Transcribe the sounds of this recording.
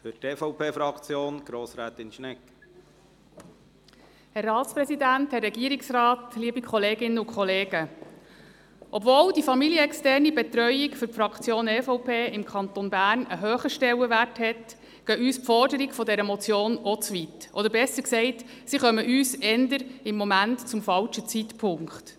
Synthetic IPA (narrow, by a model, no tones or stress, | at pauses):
fʏteːfɔwpʰeːfɾɑkt͡sjoːnɡ̥ɾoːsɾæːt̪ɪnʃnɛkː | hɛrːɑːtspɾɛsidænthɛrːɛɡiəɾɪksrɑːt̪liəbikʰχɔleːɡɪnːəʊkχɔleːɡə | ʔɔbvoːldifɑmiljəɛkstæːrnibɛt̪ɾœʏikfʏɾpfɾɑkʰt͡sjoːnɛfɔʊpʰeːɪmkʰχɑnt̪onbæːrnəɦøːχəʃtɛwəʋærthɛt | ɡ̥œːʔyːspfɔrdəɾikfɔdɛɾəmɔt͡sjoːnɔt͡sʋitʔɔd̪əɾbɛsəɾksɛɪt | siχœməʔyːsɛnd̪əɾɪmːɔmæntt͡sʊmfɑlt͡ʃət͡sit̪pʰʊŋkχt